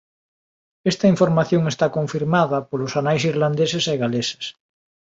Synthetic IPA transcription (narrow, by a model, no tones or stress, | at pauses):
est̪ɐiɱfoɾmaθjõŋest̪akõɱfiɾmaðɐpolʊsanajsiɾland̪eseseɣalese̥s